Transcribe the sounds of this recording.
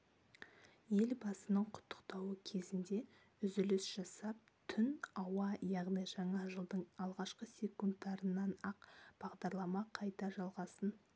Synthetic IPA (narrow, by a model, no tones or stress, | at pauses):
je̞lbɑsənəɴqʰʊ̥t̪ʰːə̥qt̪ɑwəkʲʰe̞zɪnd̪e̞ | ʏzʏlɪsʒ̥ɑsɑp̚t̪ʰʏnɑwɑjɑʁnijʒɑɴɑʒəlˠd̪əɴɑlˠʁɑʃqəsʲe̞kunt̪ːɑɾənːɑnɑqb̥ɑʁd̪ɑɾlˠɑmɑqʰɑjt̪ɑʒɑlˠʁɑsən